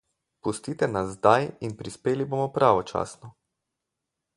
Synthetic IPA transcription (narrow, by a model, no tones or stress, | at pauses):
pust̪iːt̪ɛnazːd̪ajinpɾispeːliboːmɔpɾaːʋɔt͡ʃa̰ːsnɔ